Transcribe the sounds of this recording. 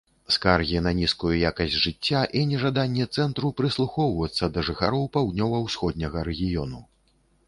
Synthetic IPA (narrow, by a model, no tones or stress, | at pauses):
skarɣʲinɐnʲiskujujakɐzʲdʲʐɨt͡sʲːaʔinʲɛʐad̪anʲːɛt̪sɛnt̪ɾupɾɨslˠuxɔwvɐt̪sːɐd̪ɐʐɨxaɾɔwpawd̪̚nʲɔvɐwsxɔd̪̚ʲnʲɐɣɐɾɛɣʲijɔnu